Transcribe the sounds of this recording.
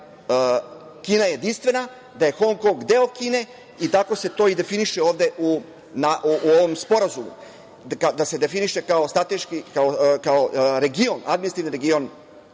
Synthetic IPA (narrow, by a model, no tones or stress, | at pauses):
ə | kiːnajeje̞d̪inst̪ve̞na | d̪aje̞xo̞ŋko̞ŋɡd̪e̞okiːne̞ | it̪ako̞se̞t̪o̞id̪e̞finiʃeo̞ːʋd̪e̞ʔu | naʔuʔuoʋo̞mspo̞ɾazumṵ | kad̪ase̞d̪e̞finiʃe̞kao̞st̪ɾat̪eʃkikaokaoɾe̞ɡio̞nʔa̰d̪minist̪iʋniɾeɡio̞n